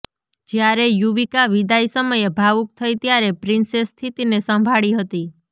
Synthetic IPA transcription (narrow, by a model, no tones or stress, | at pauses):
d͡ʒjaɾejuʋikaʋid̪aisəməjebʱaʋuk̚t̪ʰəit̪jaɾepɾinsest̪ʰit̪inesə̃mbʱaɭiɦət̪i